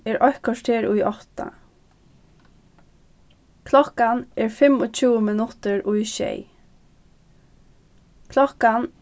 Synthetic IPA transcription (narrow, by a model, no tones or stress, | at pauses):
ɛːɹʔɔhkɔʂt̪heːɹʊjʔɔht̪a̰ | kʰlɔkanɛːɹfɪmɔt͡ʃʰuːmɪnʊt̪əɹʊjʃḛj | kʰlɔhkan